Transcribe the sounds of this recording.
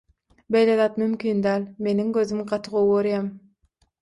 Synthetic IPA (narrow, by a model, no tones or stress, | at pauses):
bejleðɑːt̪mymkʲiːnd̪æːlʲme̞niŋɡøzymɢɑt̪ʰɯʁowoɾjɑm